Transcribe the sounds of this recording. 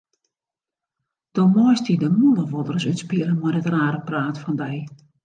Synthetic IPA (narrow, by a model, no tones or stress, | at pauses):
d̥omɔjstidəmulˠəʋɔdərsytspiələnmɔjdətraːɾəpraːtfɔndɛj